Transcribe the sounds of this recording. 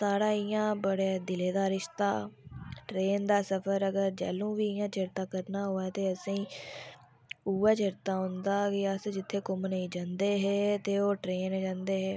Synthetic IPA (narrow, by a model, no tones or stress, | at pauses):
saːɽaːɪjãːbəɽaːd̪ɪleːd̪aːɾɪʃt̪a̰ːʈɾeːnd̪aːsəpʰəɾəɡəɾd͡ʒɛ̰ːlũːʋiːɪjãːt͡ʃɪɾt̪ãːkəɾnaːɦoːaːt̪eːəsĩː | uːaːt͡ʃɪɾt̪ãːɦʊnd̪aːɡeaəsd͡ʒɪt̪ʰːeːkʊmniːd͡ʒãːnd̪eːɦɛːt̪eːoːʈɾeːnːd͡ʒãːnd̪eːɦɛː